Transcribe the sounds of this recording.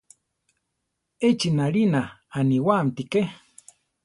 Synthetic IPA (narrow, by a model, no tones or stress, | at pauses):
et͡ʃinaɺinaːniwamt̪ike